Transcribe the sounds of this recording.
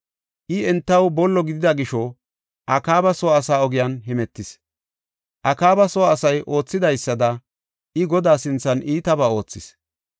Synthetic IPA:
ʔɪɛnt̪ːɐwbɔlːɔɡɪd̪ɪd̪ɐɡɪʃɔ | ʔɐkaːbɐsɔwaːsaːɔɡɪjanɦɛmɛt̪ːɪs | ʔɐkaːbɐsɔwaːsɐjʔo̞ːt͡sːɪd̪ɐjsːɐd̪ɐ | ʔɪɡɔd̪aːsɪnt͡sːɐnʔiːt̪ɐbaːo̞ːt͡sːɪs

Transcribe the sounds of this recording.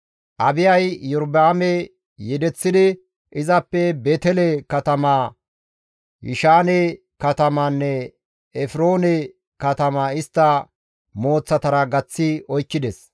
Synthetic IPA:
ʔɐbɪjɐjːɔɾdaːmɛ | jɛd̪ɛt͡sːɪd̪ɪ | ʔɪzɐpːɛbeːt̪ɛlɛkɐt̪ɐmaː | jɪ̰ʃaːnɛ | kɐt̪ɐmanːɛ | ɛfɪɾoːnɛ | kɐt̪ɐmaɪst̪ːɐ | mo̞ːt͡sːɐt̪ɐɾɐɡɐt͡sːɪɔjkːɪd̪ɛs

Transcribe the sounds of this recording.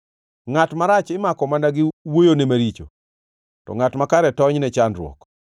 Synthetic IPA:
ŋatmaɾat͡ʃɪmakɔmandaɡɪwojonemaɾit͡ʃo̰ | tɔ̰ŋatmakaɾɛtɔɲnɛt͡ʃandɾwɔ̰k

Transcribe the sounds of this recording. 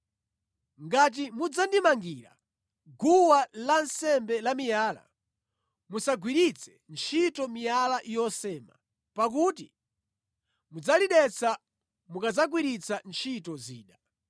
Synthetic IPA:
ŋɡat̬imud͡zandimaŋɡiːɾa̰ | ɡuwalansɛmbɛlamijaːla̰ | musaɡwiɾit͡sʰɛ̥nt͡ʃʰitɔmijalaʔjɔsɛːma̰ | pak̬uːti | mud͡zaliɗɛt͡sʰa | mukad͡zaɡwiɾit͡sʰant͡ʃʰitɔzḭːɗa

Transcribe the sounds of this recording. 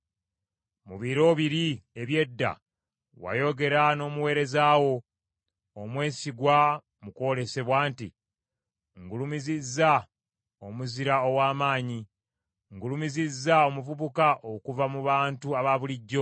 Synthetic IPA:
muβiɾo̞ːβiɾie̞βje̞dːa̰ | wa̰jo̞ɡe̞ɾano̞ːmuwe̞ːɾe̞zaːwo̞ | omwe̞ːsiɡwa | muko̞ːle̞se̞βwaːntḭ | ŋɡulumizizːa | o̞muziɾao̞waːmaːɲi | ŋɡulumizizːao̞muvuβukaʔokuvamuβaːntuaβaβuliɟːo̞

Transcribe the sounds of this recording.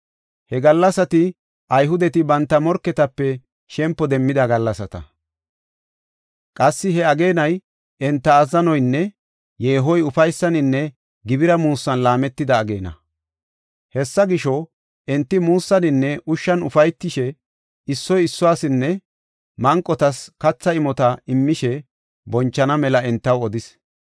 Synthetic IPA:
hɛɡɐlːɐsɐt̪ɪ | ʔɐjɦʊd̪ɛt̪ɪbɐnt̪ːɐmɔɾkːɛt̪ɐpːɛ | ʃɛmpːɔd̪ɛmːɪd̪ɐɡɐlːɐsɐt̪ɐ | kʼɐsːɪɦɛɐɡe̞ːnɐj | ɛnt̪ːɐːzɐnɔjnːɛ | je̞ːɦɔjʊfɐjsːɐnɪnːɛ | ɡɪbɪɾɐmuːsːɐnlaːmɛt̪ːɪd̪ɐːɡe̞ːnɐ̰ | hɛsːɐɡɪʃɔ | ʔɛnt̪ːɪmuːsːɐnɪnːɛʔʊʃːɐnʊfɐjt̪ːɪʃɛ | ɪsːɔjɪsːɔaːsɪnːɛ | mɐŋkʼːɔt̪ɐskɐt͡sːɐɪmɔt̪ɐɪmːɪʃɛ | bɔnt͡ʃːɐnɐmɛlɐɛnt̪ːɐwɔd̪ɪs

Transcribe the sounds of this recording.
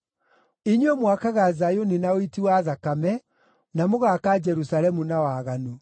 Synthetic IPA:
iɲwɛmwakaɣazajoninaoitiwaðakamɛ | namoɣakaːd͡ʒɛɾusalɛmunawaːɣano

